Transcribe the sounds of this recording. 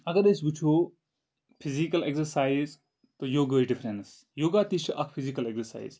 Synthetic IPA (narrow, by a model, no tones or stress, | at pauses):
ɐɡɐɾesbut͡ʃʰoː | pʰizikɐleksɐɾsaːiz | t̪ojoːɡəːiɖifʰɾens | joːɡaːt̪it͡ʃʰɐʔɐkʰpʰizikɐleksɐɾsa̰ːḭz